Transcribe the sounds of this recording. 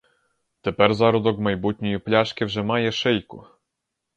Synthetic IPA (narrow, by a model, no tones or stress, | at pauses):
t̪ɛpɛɾzaɾud̪ɔɡmajbut̪ʲɲʲijiplʲaʂkʲɛvʐɛmajɛʂɛjkṵ